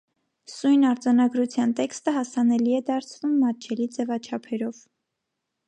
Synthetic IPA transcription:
sujnɑɾd͡zɑnɑɡɾut͡sʰjɑnt̪ɛkst̪əɦɑsɑnɛliɛd̪ɑɾt͡sʰvumːɑt͡ʃʰɛlid͡zɛvɑt͡ʃʰɑpʰɛɾɔv

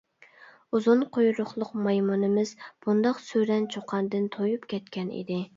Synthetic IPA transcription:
uzunqʰojɾʊχlˠʊqmɑjmunɨmɪz̥b̥und̪ɑqsøɾɛnt͡ʃʰoqʰɑnd̪ɨnt̪ʰojupkʲɛt̪kʲɛnḭd̪ɪ

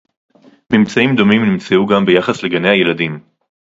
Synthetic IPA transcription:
mimt͡saimd̪o̞mimnimt͡seuɡambe̞jaχasle̞ɡane̞haje̞ladim

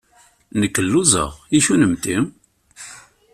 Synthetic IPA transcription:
nəkːəlːuzˤə̰ʁiʃunəmt̪im

